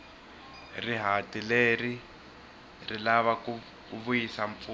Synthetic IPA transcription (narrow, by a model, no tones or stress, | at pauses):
riɦatileri | rilaβaku | kuβujisaɱp̪fu